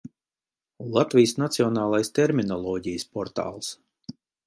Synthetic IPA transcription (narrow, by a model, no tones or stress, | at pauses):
lˠat̪vʲijsnat̪siɔnaːlˠajst̪ɛɾminɔlˠɔːɟijəspɔɾt̪a̰ːlˠs